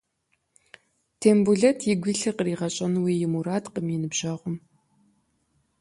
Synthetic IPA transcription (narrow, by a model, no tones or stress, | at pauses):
tʰeːmbuɮɐtʰjɪɡʷiːɬɐqəriːʁɐɕʼɐnweːjɪmuɾaːtqəmjɪnɨbʒɐʁʷʊm